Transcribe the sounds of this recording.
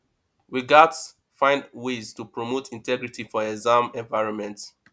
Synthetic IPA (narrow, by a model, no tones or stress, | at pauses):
wiɡats | fãɪ̃ndweztupɹomotʰĩntʰɛɡɹitʰifɔɛzãmɛ̃nvaɪɹɔ̃nmɛ̃nt